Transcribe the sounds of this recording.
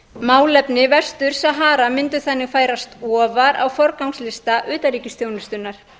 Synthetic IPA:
maːwlɛpnɪvɛ̥st̪ʏɾ̥saɦaːɾamɪnt̪ʏ̥θanːɪɣfaːjɾast̪ɔːvaɾa̰wfɔɾkawŋslɪst̪aʔʏːt̪aɾiːcɪsθjoːwnʏst̪ʏnːaɾ̥

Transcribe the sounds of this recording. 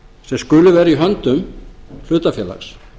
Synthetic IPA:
sɛmskʏːlʏvɛːɾaiɦœnt̪ʏml̥ʏːt̪afjɛːla̰xs

